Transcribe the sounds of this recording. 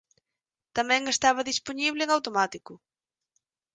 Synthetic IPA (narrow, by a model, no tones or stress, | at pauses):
t̪amɛ̃ŋest̪aβ̞ɐðisponiβ̞lɪeŋawt̪omat̪ikʊ